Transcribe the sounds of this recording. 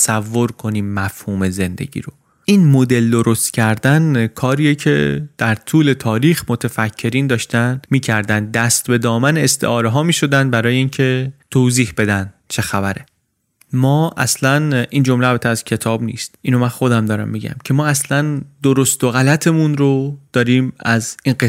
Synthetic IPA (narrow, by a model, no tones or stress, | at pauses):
sævːo̞ɾkʰo̞niːmːæfhuːme̞ze̞nd̪e̞̰ɟḭːɾo̞ | ʔiːnmo̞d̪e̞ld̪o̞ɾo̞st̪cʰæɾd̪ænkʰɒːɾiːjecʰe̞̰d̪̥æɾt̪ʰuːle̞t̪ʰɒːɾiːxmo̞t̪ʰefæcʰːe̞ɾiːnd̪ɒːʃt̪ænmiːcʰæɾd̪ænd̪̚dːæst̪be̞d̪ɒːmæneest̪ʰe̞̰ʔɒːɾeɦɒːmiːʃo̞d̪ænd̪̚bæɾɒːje̞iːncʰe̞t̪ʰoːziːhb̥e̞d̪ænd̪t͡ʃʰe̞xæbæɾe̞ | mɒːʔæ̰slænʔiːnd͡ʒo̞mleæbæt̪ʰeæz̥cʰe̞t̪ʰɒːbnḭːst̪ʔiːno̞mænxo̞d̪æmd̪ɒːɾæ̰mːiɟæ̰mcʰe̞mɒːæslænd̪̥oɾost̪oɣælæt̪ʰe̞munɾod̪̥ɒːɾiːmæzinɡe